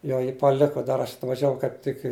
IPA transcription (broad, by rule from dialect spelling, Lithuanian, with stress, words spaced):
ˈjoː jɪ pɐˈlʲɪkʊ ˈdɐr ɐʃ ɐtʋɐʒʲɛˈʋɐʊ kɐɪp ˈtʲɪk ɪ